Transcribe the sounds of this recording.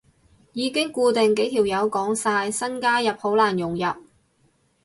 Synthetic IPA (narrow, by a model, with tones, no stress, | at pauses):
jiː˨˧kɪ˥ŋkuː˧t̪ɪ˨ŋke˨˥jt̪ʰiː˨˩wjɐ˨˧wkɔː˨˥ŋsaː˧jsɐ˥nkaː˥jɐ˨p̚ho˨˥wlaː˨˩njʊ˨˩ŋjɐ˨p̚